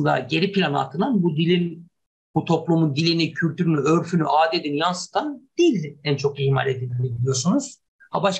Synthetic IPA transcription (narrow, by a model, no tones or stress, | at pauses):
nd̪a̰ɟe̞ɾipilʲanɯa̰t̪ʰɯnanbud̪ilʲin | b̥ut̪ʰo̞plˠumund̪ilʲinicʰylʲt̪ʰyɾynyøɾfynyʔaːd̪ed̪injansɯ̥t̪ʰand̪̥ilʲænt͡ʃʰo̞kihma̰lʲe̞d̪ilʲd̪inibilʲijo̞sunuz̥ | habaʃ